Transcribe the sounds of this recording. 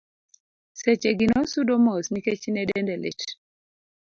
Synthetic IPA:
sɛt͡ʃeɡinɔsudomɔsniket͡ʃnɛdɛndɛlḛt

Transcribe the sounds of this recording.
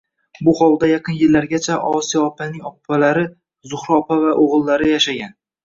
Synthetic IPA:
bʊχɒlˠd̪ajaqʰɨnjɪlːaɾɡʲat͡ʃʰaʔɒsijɒːpʰanɪŋɒq̚ʊpʰːalaɾɪ | zʊχɾɒpʰavaʔoʁɨlˠːaɾɪjaʃaɡʲan

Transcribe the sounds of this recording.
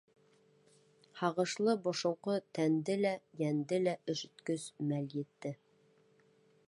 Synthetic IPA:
hɑʁɤ̆ʃlˠɤbŏʃŏwqɤt̪ænd̪ɘlæjænd̪ɘlæʔɵ̆ʃɵ̆t̪kɵz̥mæljɘ̆t̪ːɘ

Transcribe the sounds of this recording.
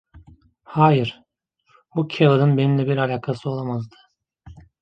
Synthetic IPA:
haːjiɾ̥ | bucʰelˠad̪ɯnbeninlʲɛbiɾalʲaːkʰasɯo̞lˠamazd̪ɯ̥

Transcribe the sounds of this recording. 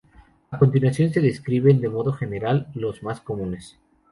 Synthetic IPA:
ako̞nt̪inwaθjo̞ns̬eðe̞skɾiβe̞nd̪e̞mo̞ðoxe̞ne̞ɾalːo̞zmasko̞mũne̞s

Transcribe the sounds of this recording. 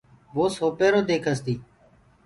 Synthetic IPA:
ʋoːsoːpeːɾoːd̪eːkʰəst̪iː

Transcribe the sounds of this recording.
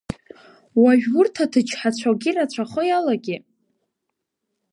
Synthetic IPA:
waɥᶣʊrtʰatʰɨt͡ʃʰħat͡ɕʷʰaɡʲirat͡ɕʷʰaχəjalaɡʲɪ

